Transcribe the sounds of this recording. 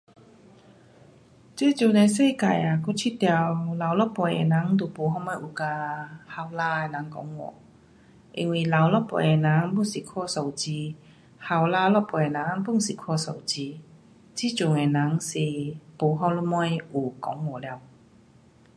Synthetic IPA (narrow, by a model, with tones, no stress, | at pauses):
t͡se˦˧˦t͡ɕu˨˧˨ne˧˩se˥˧˨ka˨˩ja˨˩ku˥˧˥t͡ɕʰi˥t̪ja˧wla˨wlɔ˦˥pɔ˨˩jḛ˨˩nã˨˦ŋt̪u˨˩po˨˦ɦɔ˧mɔ˥˩jʔu˨˩ka˧ha˧wla˧e˨nã˨˦ŋkɔ̰˨˦ŋwɔ̰˨˩ | ʔḭ˧ŋwi˨˩la˨wlɔ˦˥pɔ̰˧˩je˨˩nã˨˦ŋbu˥˧˨ŋsi˨˩kʰɔ˥˧so˨˩wt͡ɕi˧ | ha˧wlaː˧lɔ˥pɔ˨˩je˨˩nã˨˦ŋpu˥˨ŋsi˨kʰɔ˧˩so̰˨˩wt͡ɕi˧ | t͡ɕi˦˧˦t͡ɕu˨ŋe˨nã˨˦ŋsi˨po˨˦ɦɔ˧lɔ˧˥mɔ˥˧˥ju˨˩kɔ˨˧˦ŋwɔ˨˩lja˧w